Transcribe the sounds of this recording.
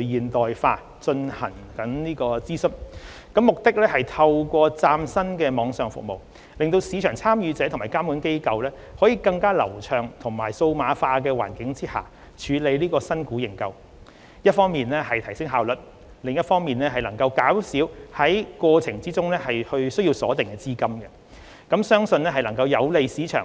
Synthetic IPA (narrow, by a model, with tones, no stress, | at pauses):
lɵ˨˩jiː˨nt̪ɔː˨jfaː˧ | t͡ʃɵ˧nhɐ˨˩ŋkɐ˨˥nniː˥kɔː˧t͡siː˥sɵ˥t | kɐ˨˥mːʊ˨k̚t̪ɪ˥k̚lɛː˥hɐ˨jt̪ʰɐ˧wkʷɔː˧t͡saː˧msɐ˥nkɛː˧mɔː˨˧ŋsœː˨ŋfʊ̰˨k̚mo̰˨w | lɪ˨ŋt̪o˧wsiː˨˧t͡ʃʰœː˨˩ŋt͡sʰaː˥mjyː˨˧t͡sɛː˨˥t̪ʰʊ˨˩maː˨˩jkaː˥muː˨˥nke˥jkɐ˧wlɛː˥ | hɔː˨˥jiː˨˧kɐ˧ŋkaː˥lɐ̰˨˩wt͡ʃʰœː˨ŋt̪ʰʊ˨˩ŋmaː˨˩jso˧wmaː˨˧faː˧kɛː˧wa̰ː˨˩nkɪ˨˥ŋt͡siː˥ha̰ː˨˩ | t͡ʃʰyː˨˧le˨˧jliː˥kɔː˧sɐ˥nkuː˨˥jɪ˨˩ŋkɐ˧w | jɐ˥t̚fɔː˥ŋmiː˨nlɛː˥hɐ˨jt̪ʰɐ˨˩jsɪ˥ŋɦaː˨wlɵ˨˩t̚ | lɪ˨ŋjɐ˥t̚fɔː˥ŋmiː˨nlɛː˥ɦɐ˨jlɐ˨˩ŋkɐ˧wkaː˨˥wsiː˨˥whɐ˨˥jkwɔː˧t͡sʰɪ˨˩ŋt͡siː˥t͡sʊ˥ŋlɛː˥hɐ˨jhɵ˧ɥsɵ˥ɥji˧wsɔː˨˥t̪ɪ˨ŋkɛː˧t͡siː˥kɐ˥mɡɛ˧ | kɐ˨˥msœː˥ŋsɵ˧nɛː˥ɦɐ˨jlɐ˨˩ŋkɐ˧wjɐ˨˧wle˨˧jsiː˨˥t͡ʃʰœ̰ː˨˩